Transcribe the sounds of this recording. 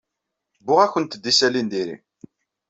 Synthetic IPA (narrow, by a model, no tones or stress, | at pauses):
bːʊʁæçənt̪d̪ːisælind̪iɾḭ